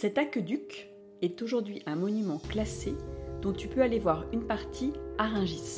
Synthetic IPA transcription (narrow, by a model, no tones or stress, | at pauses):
sɛt̪akød̪yk | ɛt̪oʒuʁd̪ɥiʔɛ̃mɔnymɑ̃klased̪̥ɔ̃t̪ypøalevwaʁynpaʁt̪ʰiaʁɛ̃ʒis